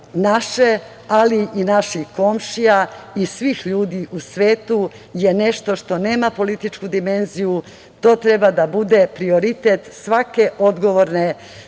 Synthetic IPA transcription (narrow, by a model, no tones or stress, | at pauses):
naʃe | aliʔinaʃixko̞mʃijaisʋiːxʎuːd̪iʔusʋeːt̪u | je̞ne̞ʃt̪o̞ʃt̪o̞ne̞ːmapo̞lit̪it͡ʃkud̪ime̞nziju | t̪o̞ːt̪ɾe̞bad̪abud̪e̞pɾio̞ɾit̪et̪sʋake̞ʔo̞d̪ɡo̞ʋoɾne̞